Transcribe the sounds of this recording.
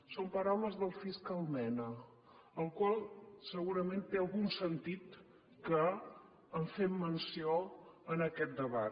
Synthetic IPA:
sompəɾawləzðəlˠfiskəlˠmɛnə | əlˠkwalˠsəɣuɾəment̪eəlˠɣunsənt̪it̪ | kə | əɱfemːənsioənəkɛt̪̚d̪əβa

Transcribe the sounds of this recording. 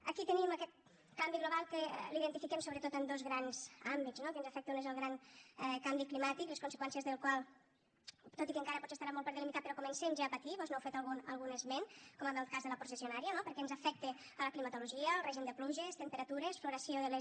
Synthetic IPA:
əkit̪əniməkɛt̪̚ | kambiɣluβalˠkəliðənt̪ifikɛmsoβɾət̪ot̪ənd̪ozɣɾanz̥ambiznokeənzəfɛk̚t̪eunezəlˠɣɾaŋɛkambiklimat̪ikleskunsəkwɛnsiəzðəlˠkwalˠ | t̪ot̪ikəŋkaɾəpɔt͡sest̪aɾamolˠpəɾðəlimit̪at̚pəɾɔkumənsemʒaːpət̪iβɔznoɛwfet̪əlˠɣunə̰lˠɣunəzmenkɔmənal̚ˠkazðələpɾusesionaɾiənopəɾkɛnzəfɛk̚t̪e | ələklimət̪uluʒiəlˠrɛʒind̪əpluʒest̪əmpəɾɐt̪uɾesfluɾəsioðəle

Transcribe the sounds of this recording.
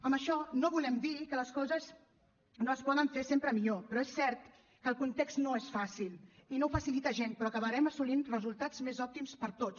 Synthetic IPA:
əmbəʃɔnoβulɛmd̪ikələskɔzəz | noəspɔðəɱfesempɾəmiʎopɾɔesːɛɾt̪ | kəlˠkunt̪ekst̪noesfasilˠinofəsilit̪əʒenpɾɔəkəβəɾɛməsulinrəzulˠt̪ad͡zmezɔp̚t̪imspəɾt̪ot͡s

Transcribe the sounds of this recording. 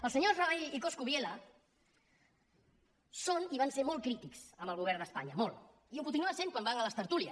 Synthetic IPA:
əlˠsəɲozraβajlikoskuβjelə | soniβanseɾmolˠkɾit̪iksəmbəlɣ̞uβ̞ɛɾnd̪əspa̰ɲəmolˠ | iukunt̪inuəsẽnkwambaŋələst̪əɾt̪uliəs

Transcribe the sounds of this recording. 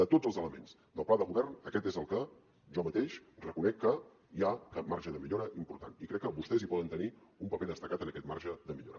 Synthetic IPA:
d̪ət̪od͡zzəlˠzələmḛns | d̪əlˠplaðəɣuβɛrnəkɛt̪ezəlˠkə | ʒɔmət̪eʃrəkunɛkːə | iakat̪̚maɾʒəðəmiʎoɾəʔimpuɾt̪anikɾɛkːəβust̪ɛzipɔðənt̪əniumpəpeðəst̪əkat̪ənəkɛt̪ma̰rʒəðəmiʎo̰ɾə

